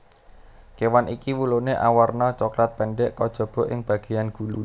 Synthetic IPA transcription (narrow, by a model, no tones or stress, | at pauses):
kewanʔikiwuloneʔa̰warnɔt͡ʃɔklat̪̚pɛɳɖɛʔkɔd̥ʒ̥ɔ̤b̥ɔ̤ʔɪŋb̥ä̤ɡ̥e̤janɡ̥ulu